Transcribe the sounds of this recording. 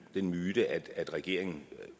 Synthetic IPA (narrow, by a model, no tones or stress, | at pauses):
d̥enmyːd̥əʔæd̥æd̥ʁɛɡ̥e̝̰ɐ̰e̝ŋn̩